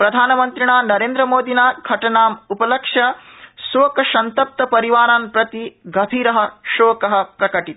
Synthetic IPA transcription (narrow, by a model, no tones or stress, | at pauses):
pɾɐd̪ʱaːnɐmɐnt̪ɾiɳaːnɐɾeːnd̪ɾɐmoːd̪inaːɡʱɐʈɐnaːmupɐlɐkʂjɐsoːkɐʃɐnt̪ɐp̚t̪ɐpɐɾiʋaːɾaːnpɾɐt̪iɡʱɐbʱiːɾɐɦɐ̆ʃoːkɐɦɐ̆pɾɐkɐʈit̪